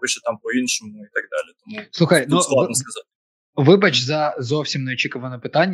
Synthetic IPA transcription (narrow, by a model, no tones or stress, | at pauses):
ɔʃɛt̪ɑmpɔinʃɔmʊit̪ɐɡ̚d̪ɑlʲɪt̪ɔmusˠuxɐjnusˠɐskɐzatʲ | ʋɪbɐt͡ʃzɐzɔwsʲimnɛɔt͡ʃikʊʋɐnɛpɪt̪ɑnʲː